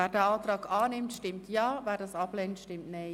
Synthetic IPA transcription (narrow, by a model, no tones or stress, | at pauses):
ɛːɾdɛːɑːt̪rɑːkaːnɪmtʃtɪmtʰjaːʋɛːɾdɑsɑbleːntʃtɪmtne